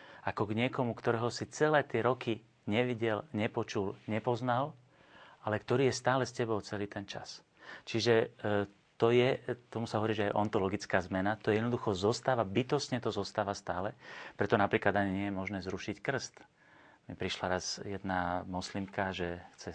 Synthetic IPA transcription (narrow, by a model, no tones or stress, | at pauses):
ʔakɔɡɲɪɛkɔmukt̪ɔɾɛːɦɔsit͡sɛlɛːt̪ɪɛɾɔki | ɲɛʋiɟɛlɲɛpɔt͡ʃulɲɛpɔznal | alɛkt̪ɔɾiːjɛst̪aːlɛscɛbɔʊt͡sɛliːt̪ʰɛnt͡ʃa̰s | t͡ʃiʒɛ | t̪ɔjɛt̪ɔmusaɦɔʋɔɾiːʒɛajʔɔnt̪ɔlɔɡit͡skaːzmɛnat̪ɔjɛd̪nɔd̪uxɔzɔst̪aːʋabit̪ɔsɲɛt̪ɔzɔst̪aːʋast̪aːlɛpɾɛt̪ɔnapɾiːklad̪aɲiɲɪɛjɛmɔʒnɛːzɾuʃickr̩st̪ | mipɾiʃlaɾazjɛd̪namɔslimkaʒɛxt͡sɛ